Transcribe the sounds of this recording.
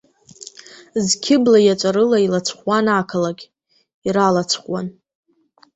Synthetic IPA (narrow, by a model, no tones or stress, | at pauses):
zkʲʰɪblajat͡ʃʷʼaɾɨlailat͡sʷʰχwanakʰalaɡʲ | iɾalat͡sʰχwan